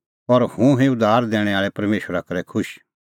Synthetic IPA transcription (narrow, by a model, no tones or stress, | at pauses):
ɔɾhũɦɛ̃ʊd̪aːɾd̪ɛːɽ̃ɛ̃aːɭɛpɐɾmeːʃɾakɐɾɛkʰʊʃ